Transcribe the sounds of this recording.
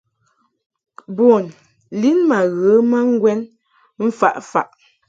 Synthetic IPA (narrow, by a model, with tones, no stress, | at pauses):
bo˨n | li˦nma˨ɣə˨˦ma˦ŋ˦ɡwɛ˦n | m̩˦fa̰˨ʔfa̰˨ʔ